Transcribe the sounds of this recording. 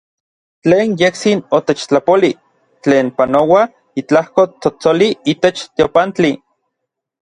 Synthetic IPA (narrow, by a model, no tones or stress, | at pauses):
t͡ɬeːnjekt͡sinot̪et͡ʃt͡ɬapoli | t͡ɬeːnpanowa | it͡ɬahkot͡sot͡soliiːt̪et͡ʃt̪eopant͡ɬi